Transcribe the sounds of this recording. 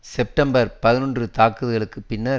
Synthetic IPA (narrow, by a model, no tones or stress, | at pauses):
sɛp̚ʈɐmbɐɾpɐðɪnɔndrɯt̪aːkːɯðɯɣɐɭɯkːɯpɪnːɐɾ